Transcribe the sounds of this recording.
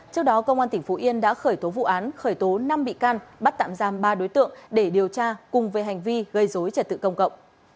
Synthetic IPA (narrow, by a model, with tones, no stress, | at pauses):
t͡ɕɨ˦˥ək̚ɗɔ˨˦kə˧wŋ͡mʔaː˧t̪ï˩ŋ̟fo˨˦ʔi˧ənɗa̰ː˧˥xəː˧˩jt̪o˨˦vṵ˧˨ʔaː˨˦nxəː˧˩jt̪o˨˦na˧mɓḭ˧˨kaː˧nɓa˦˥t̚t̪a̰ː˧˨mzaː˧˩mɓaː˧ɗo˨˦jt̪ɨ̰˧˨əŋɗe˧˩ɗi˨˩əwt͡ɕaː˧kʊ˨˩ŋ͡mve˨˩˦ɦa˨˩jŋ̟vi˧ɣə˧˩jzo˨˦jt͡ɕə˨˧˩t̚t̪ɨ̰˧˨kə˧wŋ͡mkə̰˧˨wŋ͡mʔ